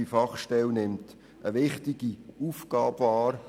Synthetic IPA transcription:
ifɑχʃtɛlnɪmt | əʋɪχtiɡ̥iufɡ̥ɑːbvɑːɾ

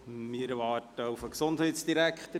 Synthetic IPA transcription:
mɪɾʋɑːrtəufəksond̥ɦɛjtsd̥iɾækχt̪ə

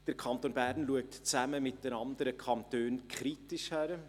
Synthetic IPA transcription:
d̥əɾkʰɑnt̪oːnbæːɾnluək̚tt͡sæməmɪt̚dənɑnd̪əɾəkʰɑnt̪øːnkʰχɾitɪʃhæɾə

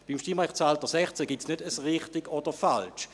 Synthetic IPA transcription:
b̥imʃtimʁaχt͡saltəsɛχt͡sɛɡitsnødəsʁɪχtɪɡɔd̥əfalt͡ʃ

